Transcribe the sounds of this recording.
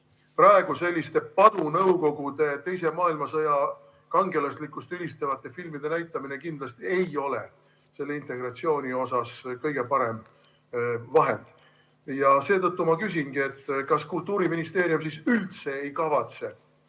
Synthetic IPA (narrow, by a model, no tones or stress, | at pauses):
pɾɑeɡ̥use̞lʲːist̪e̞pɑd̪̥unɤuko̞ɡ̥ud̪̥e̞t̪e̞js̬e̞mɑːilmɑsɤjɑ | kɑŋɡe̞lɑslikːˑust̪ylist̪evɑt̪ːˑe̞filmid̪e̞næjt̪ːˑɑminekind̪lɑst̪ie̞jo̞le̞̰ | se̞lːe̞int̪e̞ɡ̥rɑt̪sio̞ːnʲio̞sɑskɤjɡ̥e̞pɑɾem | vɑɦḛnd̪̥ | jɑse̞ːt̪ɤt̪ˑːumɑkys̬ʲinɡ̥ie̞t̪ːkɑskult̪ːˑuːɾiminist̪e̞ːɾjums̬isylt̪se̞ejkɑvɑt̪se̞